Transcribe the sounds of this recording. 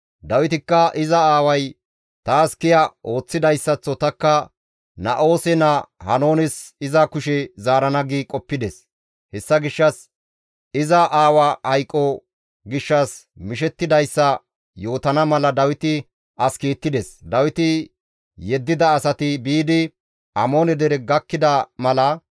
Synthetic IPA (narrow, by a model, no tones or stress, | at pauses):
d̪ɐwɪt̪ɪkːɐʔɪzɐaːwɐj | t̪aːskɪjɐo̞ːt͡sːɪd̪ɐjsːɐt͡sːɔt̪ɐkːɐ | nɐʔo̞ːsɛnɐhɐno̞ːnɪsɪzɐkʊʃɛzaːɾɐnɐɡikʼɔpːɪd̪ɛs | hɛsːɐɡɪʃːɐs | ɪzɐʔaːwɐhɐjkʼːɔ | ɡɪʃːɐs | mɪʃɛt̪ːɪd̪ɐjsːɐ | jo̞ːt̪ɐnɐmɐlɐd̪ɐwɪt̪ɪ | ɐskiːt̪ːɪd̪ɛsd̪ɐwɪt̪ɪ | jɛd̪ːɪd̪ɐːsɐt̪ɪbiːd̪ɪ | ʔɐmo̞ːnɛd̪ɛɾɛɡɐkːɪd̪ɐmɐlɐ